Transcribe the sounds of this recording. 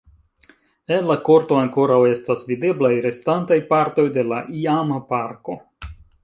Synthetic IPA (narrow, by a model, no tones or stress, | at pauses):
enlako̞ɾto̞aŋko̞ɾawe̞stasvide̞blajɾe̞stantajpaɾto̞jde̞laʔiamapaɾko̞